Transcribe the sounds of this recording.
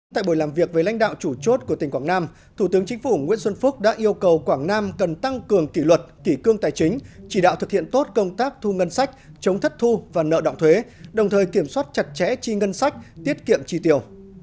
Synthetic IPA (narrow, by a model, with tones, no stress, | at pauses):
t̪a̰ː˧˨jɓo˧˩jlaː˨˩mvi˨˩ək̚ve˨˩la̰˧˥jŋ̟ɗa̰ː˧˨wt͡ɕu˧˩t͡ɕo˦˥t̚ku˧˩ət̪ï˨˩ŋ̟kwaː˧˩ŋnaː˧m | t̪ʰu˧˩t̪ɨ˨˦əŋt͡ɕï˨˦ŋ̟fu˧˩ŋwḭ˧˥ənswə˧nfʊ˦˥k͡p̚ɗa̰ː˧˥ʔi˧əwkə˨˩wkwaː˧˩ŋnaː˧mkə˨˩nt̪a˧ŋkɨ˨˩əŋki˧˩lwə˨˩t̚ki˧˩kɨ˧əŋt̪aː˨˩jt͡ɕï˨˦ŋ̟t͡ɕi˧˩ɗa̰ː˧˨wt̪ʰɨ˨˩k̚hḭ˧˨ənt̪o˦˥t̚kə˧wŋ͡mt̪aː˦˥k̚t̪ʰu˧ŋə˧nsa˦˥jk̟̚ | t͡ɕə˨˦wŋ͡mt̪ʰə˦˥t̚t̪ʰu˧vaː˨˩nə̰ː˧˨ɗɔ̰˧˨wŋ͡mt̪ʰwe˨˦ɗə˨˩wŋ͡mt̪ʰəː˨˩jki˧˩əmswaː˦˥t̚t͡ɕa˨˩t̚t͡ɕɛ̰˧˥t͡ɕi˧ŋə˧nsa˦˥jk̟̚t̪i˦˥ət̚kḭ˧˨əmt͡ɕi˧t̪i˨˩əw